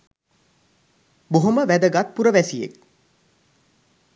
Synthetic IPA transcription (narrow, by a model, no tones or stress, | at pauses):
boɦoməʋæd̪əɡat̪̚puɾəʋæsijḛk̚